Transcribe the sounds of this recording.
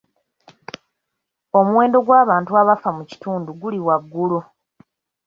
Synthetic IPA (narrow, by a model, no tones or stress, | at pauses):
o̞muwe̞ːndo̞ɡwaːβaːntuaβafamuci̥tuːnduɡuliwaɡːulu